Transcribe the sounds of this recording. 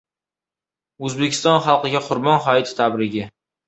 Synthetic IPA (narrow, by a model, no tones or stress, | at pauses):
ɵzbekʲʰɪst̪ɒnχɑlˠqɨɡʲaqʰʊɾbɒnχɒɪt̪ʰt̪ʰabɾɪɡʲɪ